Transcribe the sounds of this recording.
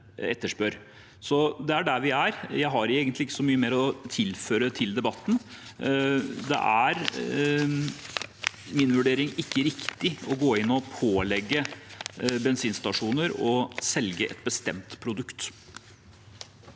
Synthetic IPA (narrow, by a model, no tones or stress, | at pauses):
ɛt̪ːəʂpøɾ | sɔd̪ɛæɖæɾʋɪæɾjæɪɦɑɾeːɡənt̪lɪɪkːə̥sɔmyːəmeːɾɔt̪ʰɪlføːɾət̪ʰɪld̪ɛbɑt̪ːn̩ | d̪ɛ̰ʔæɾ | mɪnʋʉɖeːɾɪŋɪkːəɾɪkt̪ɪɔɡoːɪnːɔpʰoːlɛɡːə | bɛnsiːnst̪ɑʂuːnəɾɔsɛlɡəʔɛ̰t̪̚bəst̪ɛmt̪pʰɾʊd̪ʉkt̪